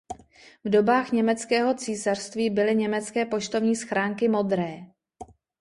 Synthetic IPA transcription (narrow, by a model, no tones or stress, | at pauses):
vdo̞baːxɲɛmɛt͡skɛːɦo̞t͡siːsar̥st̪viːbɪlɪɲɛmɛt͡skɛːpo̞ʃt̪o̞vɲiːsxɾaːŋkɪmo̞d̪ɾɛː